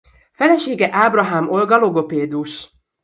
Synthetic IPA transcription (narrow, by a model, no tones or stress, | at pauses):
fɛlɛʃeːɡɛʔaːbrɒɦaːmo̞lɡɒloɡo̞peːd̪uʃ